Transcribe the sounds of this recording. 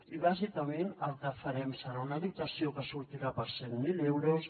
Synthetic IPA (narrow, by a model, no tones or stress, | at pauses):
iβazikamenəlˠt̪əfaɾɛmsəɾaunaðit̪asiokəsuɾt̪iɾapəsemmilewɾos